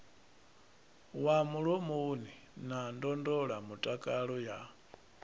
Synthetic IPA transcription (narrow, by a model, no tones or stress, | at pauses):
wamuɺɔmuni | nandɔndɔɺamutʼakʼaɺɔja